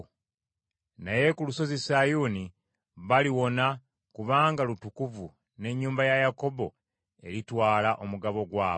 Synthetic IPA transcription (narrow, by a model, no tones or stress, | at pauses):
naje̞kuluso̞zisajuːni | βaliwo̞na | kuβaːŋɡalutukuvu | ne̞ɲːuːmbajajako̞bo̞ | e̞ɾitwaːlaʔo̞muɡaβo̞ɡwaː